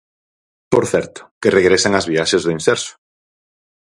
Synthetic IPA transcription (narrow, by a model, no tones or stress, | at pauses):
poɾθɛɾt̪ʊ̥kereɣɾesaŋɐzβiaʃezðʊinsɛɾsʊ̥